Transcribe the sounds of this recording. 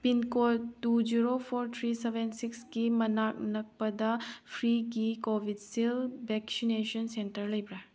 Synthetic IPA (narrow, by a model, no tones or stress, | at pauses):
pinkotdud͡ʒiɾopʰoɾt̪ʰɾisebensikskimɐnak̚nɐk̚pɐdɐpʰɾiɡikobʱid̚silbeksinesɐnsentɐɾlɐjbɾa